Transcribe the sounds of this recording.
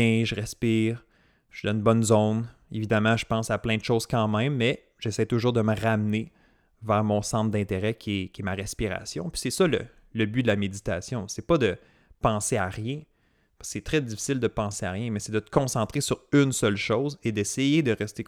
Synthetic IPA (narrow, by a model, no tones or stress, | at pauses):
ɛ̃ʒəʁɛspiːʁ | ʃid̪̃nbɔnzɔn | evid̪amɑ̃ʒəpɑ̃saplɛ̃d̪əʃoʊz̥kɑ̃mɛ̃ɪ̃mːɛ | ʒ̥ɛsɛjt̪ʊʒuːʁd̪əməʁamne | vɛːʁmɔ̃sɑ̃t̪d̪ɛ̃t̪eʁɛkʲʰɛkʲɛmaʁɛspiʁa̰sjɔ̃pɥi̥sɛsʌlə̰ | ləbyd̪əlamed̪it̪asjɔ̃sɛpʌd̪ə | pɑ̃seaʁjɛ̃ | paskə̥sɛt̪ʁɛdd͡zifi̥sɪld̪əpɑ̃seaʁjɛ̃mɛsɛd̪ət̪ə̥kɔ̃sɑ̃t̪χesyʁynsœlʃɔʊzed̪ɛsɛjed̪əʁɛst̪e